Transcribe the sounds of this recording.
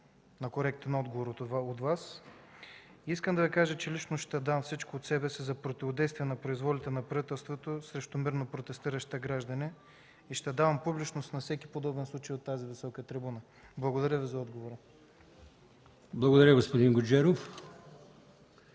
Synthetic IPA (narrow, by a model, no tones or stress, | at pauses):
nɐkoɾɛk̚t̪ɛnɔd̪ɡovoɾot̪vas | iiskəmd̪ɐvikaʒət͡ʃɛlit͡ʃnoʃt̪ɛd̪amfsit͡ʃkoːt̪sɛbɛsizɐpɾot̪ʲivod̪ɛjst̪vʲiɛnɐpɾoizvɔlʲit̪ɛnɐpɾɐvit̪ɛlˠst̪vot̪osɾɛʃt̪omiɾnopɾot̪ɛst̪iɾəʃt̪əɡɾaʒd̪ɐni | iʃt̪ɛd̪avɐmpublit͡ʃnost̪nɐfsɛki̥pod̪ɔbɛnslˠut͡ʃəjot̪ːazivisɔkət̪ɾibunə | blˠɐɡod̪ɐɾʲjəvizɐɔd̪ɡovoɾə | blˠɐɡod̪ɐɾʲjəɡospod̪inɡod͡ʒɛɾof